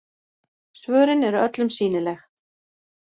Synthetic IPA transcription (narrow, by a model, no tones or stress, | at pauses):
svœːɾɪnɛɾœt̪lʏmsiːnɪlɛx